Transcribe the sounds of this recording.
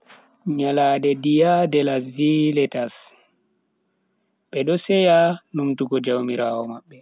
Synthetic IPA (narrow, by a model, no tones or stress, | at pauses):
ɲaladɛdijadɛlasilɛtas | ɓɛɗɔsɛjanumtuɡɔd͡ʒawmiɾaːwɔmaɓːɛ